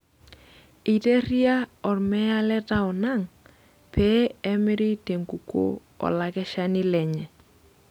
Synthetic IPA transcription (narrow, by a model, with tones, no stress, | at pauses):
i˨te˦ri˦a˦ɔ˨ɾmɛ˦a˦lɛ˦ta˦ɔ˨na˦˨ŋ | pɛ˦ɛ˦mɪ˦ɾi˦te˨ŋku˨ko̰˦ | ɔ̰˨la˨kɛ˦ʃa˦ni˦lɛ˨ɲɛ˨